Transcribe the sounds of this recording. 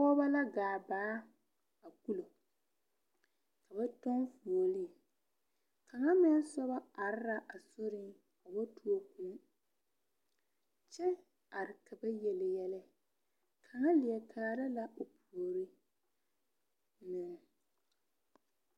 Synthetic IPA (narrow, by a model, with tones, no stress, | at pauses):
ɔ˦ba˦la˦ɡaː˨baː˨˦ | a˨ku˦lo˨ | ka˨ba˦tɔ˦nfu˨o˨li˦˨ | ka˨ŋa˦mɪ˦n˦sɔ˦βa˦a˨ɾɪ˦ɾa˦ʔa˨sʊ˦ɾɪ˦ŋ | ka˨ba˦tu˦o˦ku˨˦ | t͡ʃɛ˦ | a˨ɾɪ˨ka˨ba˦jɛ˨lɪ˨jɛ˦lɛ˦ | kʰa˨ŋa˦lɪ˨ɛ˨kʰaː˨ɾa˦la˦ʔo˨pʰu˨o˨ɾi˦ | nɪ˨ŋ˨